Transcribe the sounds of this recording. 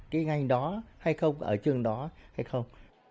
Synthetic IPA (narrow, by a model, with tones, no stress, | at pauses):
kaː˨˦jŋa˨˧˩jŋ̟ɗɔ˨˦ha˧jxə˧wŋ͡mʔəː˧˩t͡ɕɨ˧˩əŋɗɔ˨˦ha˧jxə˧wŋ͡m